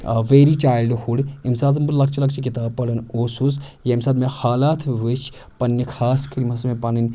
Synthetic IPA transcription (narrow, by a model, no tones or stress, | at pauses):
ʋeːɾit͡ʃaːjlɖhuɽimsaːzɐmbullɐkt͡ʃilɐkt͡ʃikit̪aːb̚pɐɽɐnoːsusjɐimsaːd̪mehaːlaːt̪ʰʋət͡ʃ | pɐnːɐkʰaːskɐɾimɐsmepɐninʲ